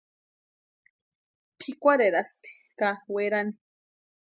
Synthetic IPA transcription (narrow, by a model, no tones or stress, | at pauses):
pʰikʷaɾeɾast̪i̥ | kaweɾani